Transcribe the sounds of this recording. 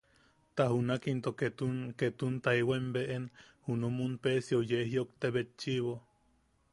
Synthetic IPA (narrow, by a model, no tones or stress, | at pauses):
t̪aɦunakint̪oet̪uket̪unt̪aiwembeʔenhunomunpesiojeɦiokt̪eβet͡ʃiβo